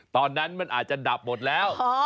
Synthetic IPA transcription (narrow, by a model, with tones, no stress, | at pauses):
t̪ɔː˨˩nːa˦˥nmɛː˧˥nʔaː˨˩t̪̚t͡ɕa˨˩ɗa˨˩p̚mo˨˩t̪̚lɛː˦˥wɔ˨˦